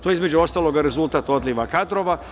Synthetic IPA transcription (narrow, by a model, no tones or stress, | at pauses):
t̪ojeizme̞d͡ʒuost̪aːlˠo̞ɡaɾe̞zult̪aːt̪o̞d̪liʋakad̪ɾoʋa